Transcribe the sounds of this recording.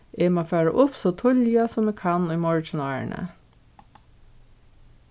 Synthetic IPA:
eːmoːfæːɹa̰ʔʊpsoːt̪ʰʊljɑsɔmekʰɑnʏːmɔɹt͡ʃənɑːɳə̰

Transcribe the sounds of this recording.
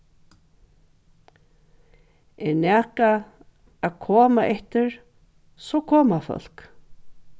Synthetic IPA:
ɛɹnɛːka | aðkʰɔːmaʔɛht̪ɪɹ | sɔkʰɔːmafœ̰l̥k

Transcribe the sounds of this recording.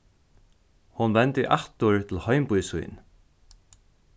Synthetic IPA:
hʊnʋɛnt̪ɪʔaht̪ʊɹt̪ʰɪlhɔjmpʊjsṵjn

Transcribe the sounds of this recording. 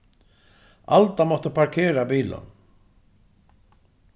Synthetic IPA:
alt̪amɔht̪əpʰaɾkʰɛːɾabiːla̰n

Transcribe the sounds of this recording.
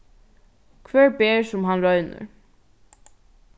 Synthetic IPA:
kʰvɛːɹbeːɹsʊmɦanɾœɥnʏ̰ɹ

